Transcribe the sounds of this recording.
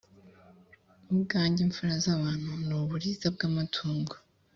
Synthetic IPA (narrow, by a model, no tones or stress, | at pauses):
ubɡaːɲɟiɱfuɾazaβaːn̥hunuβuɾizabɡaːmatʰuːŋɡḁ